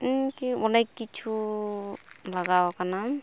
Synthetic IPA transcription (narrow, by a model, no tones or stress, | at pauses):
kiɔnajkːit͡ʃʰu | laɡawɔkana